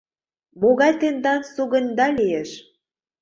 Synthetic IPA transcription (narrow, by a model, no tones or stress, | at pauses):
moɣɑjt̪end̪ɑnsuɣə̆nʲd̪ɑlijeʃ